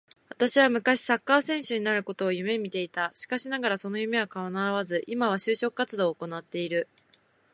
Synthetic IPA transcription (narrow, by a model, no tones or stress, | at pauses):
βat̪aɕiβamɯ̟kaɕi̥sakːaːsẽ̞ɰ̃ɕɨɲ̟inaɾɯ̟ko̞t̪o̞ːjɯ̟me̞mʲit̪e̞it̪aɕi̥kaɕinaɡaɾaso̞no̞jɯ̟me̞βakaβanaɾaβazɨʔimaβaɕɨːɕo̞kɯ̟kat͡sɨd̪o̞ːko̞nat̪ːe̞iɾɯ̟